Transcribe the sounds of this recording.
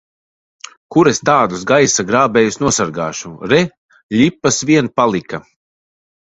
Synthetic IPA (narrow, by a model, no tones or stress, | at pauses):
kuɾest̪aːd̪usɡajsaɡɾaːbɛːjusnuɔsaɾɡa̰ːʃuɾɛ | ʎʲipːasvʲiɛnpalˠika